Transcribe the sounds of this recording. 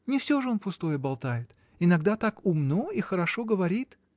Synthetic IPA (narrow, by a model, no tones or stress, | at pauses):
nʲɪfsʲo̞ʐɨonpʊst̪o̞jəbɐlˠt̪ajɪt̪ | ɪnɐɡd̪at̪akʊmnoixəɾɐʂo̞ɡəvɐɾʲit̪